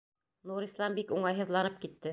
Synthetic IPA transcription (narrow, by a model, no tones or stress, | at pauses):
nuɾislˠɑmbikuɴɑjɦɤ̆ðlˠɑnɤp̚kit̪ːɘ